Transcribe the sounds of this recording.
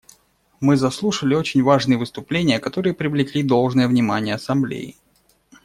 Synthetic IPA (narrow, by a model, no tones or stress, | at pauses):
mɨzɐslˠuʂəlʲɪo̞t͡ɕɪnʲvaʐnɨjəvɨst̪ʊplʲenʲɪjəkɐt̪o̞ɾɨjəpɾʲɪvlʲɪklʲid̪o̞lˠʐnɨjəvnʲɪma̰nʲɪjəɐsɐmblʲḛjɪ